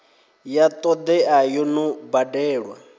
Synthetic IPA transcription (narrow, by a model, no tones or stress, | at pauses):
jat̪ʼɔd̪ɛajɔnubadɛːɺwa̰